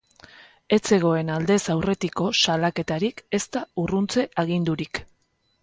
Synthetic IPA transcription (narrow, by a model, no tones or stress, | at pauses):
e̞t͡se̞ɣ̞o̞e̞nald̪e̞sawre̞t̪iko̞salake̞t̪aɾike̞st̪aurunt͡se̞ʔaɣ̞ind̪uɾik